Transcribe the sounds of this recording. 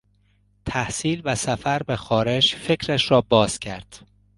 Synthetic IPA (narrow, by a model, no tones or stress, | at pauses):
t̪ʰæhsiːlvæsæfæɾbexɒːɾe̞d͡ʒfe̞cʰɾæʃɾɒːbɒːz̥cʰæɾd̪̥